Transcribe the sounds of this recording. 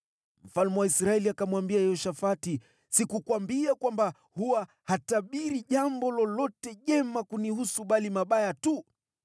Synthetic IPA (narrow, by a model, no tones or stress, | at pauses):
m̩falmɛwaisɾaɛliakamwambiajɛɔʃafati | sikukwambiakwamba | huwa | hataɓiɾiʄambɔlɔlɔtɛʄɛmakunihusuɓalimaɓajatu